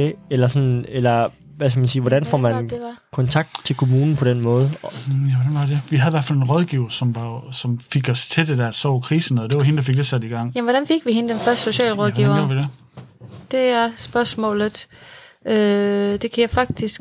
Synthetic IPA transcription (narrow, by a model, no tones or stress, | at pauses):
eelɐsɒ̽nelɐ | ʋæskæmænsiːʋɒɾænfɒ̰mænndkʰɒ̽nt͡sʰɑ̈ɡ̥̚d̥t͡sʰe̝lkʰo̝muːnn̩pʰɒ̽d̥enmɔ̽ːð̞̩ˠjæʋɒd̥ænʋɑd̥eʋiɦæðˠiʋæɐfælenʁɒð̞ˠɡ̥iːʊɐsɒ̽mʋɑsɒ̽mfeɡ̥ɒst͡sʰe̝d̥ed̥æɐsɒ̰ʊ̰kʰʁiːsnɔːð̩ˠd̥e̝ʋɑɦe̝nəd̥ɑ̈fe̝ɡ̥d̥esæd̥iɡ̥ɑ̈ŋ̰jæmʋɒɾ̥ænfe̝ɡ̥ʋihenəd̥enfɶɐsd̥so̝ɕɛ̰ːlʁɒðˠiʊɐoɐʋide | d̥e̝æɐsb̥ɶɐsmɔ̰̽ːlð̩ˠ | ød̥e̝kʰæjɑ̈fɑ̈ɡ̥̚d̥isɡ̥